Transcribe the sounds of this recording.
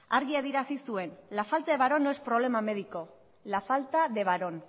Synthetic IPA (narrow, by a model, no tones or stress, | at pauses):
aɾɣiaðiɾasisue̞nlafalt̪aðeβaɾo̞noespɾo̞β̞le̞mame̞ðiko̞ | lafalt̪aðe̞βaɾo̞n